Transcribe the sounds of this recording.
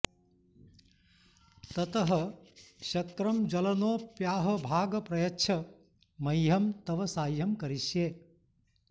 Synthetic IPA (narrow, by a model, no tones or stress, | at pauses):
t̪ɐt̪əɦə̆ʃɐt̪ɾɐmd͡ʒɐlɐnoːpjaːɦɐ̆bʱaːɡpɾɐjɐtːʃʰɐ | mɐjɦɐmt̪ɐʋɐsaːjjɐmkɐɾiʃjeː